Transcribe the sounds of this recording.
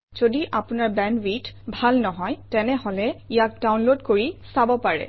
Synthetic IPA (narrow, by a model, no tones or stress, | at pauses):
z̥odiʔapʊnaɹbɛnwitbʱalnɔɦɔjtɛnɛɦɔlɛijak̚dawnlodkoɹisabɔpaɹɛ̰